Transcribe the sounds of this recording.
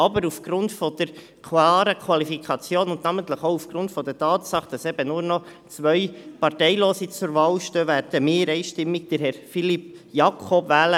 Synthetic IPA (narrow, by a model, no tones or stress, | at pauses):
ɑbəɾufɡ̥ɾʊntfɔd̥̪əɾ | kʰwɑːɾəkʰwɑlifikʰɑt͡sjoːnʊndnæmənt̪ləχoʊufɡ̥ɾʊntfɔd̥̪ətɑːtsɑχd̥ɑsɛb̥ənʊɾnɔ | t͡sʋœjpɑrtɛɪloːsit͡sʊɾʋɑːlʃtøːʋæɾd̥əmɪːɾɛɪʃtɪmːik̚d̥əɾɦɛɾfilipjɑkʰɔbvæːlə